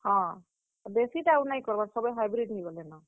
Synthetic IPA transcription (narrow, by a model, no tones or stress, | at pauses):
hɔ̃ | besiʈawnajkɔɾbasɔbɔjɦajbɾiɖɦiɡɔlenɔ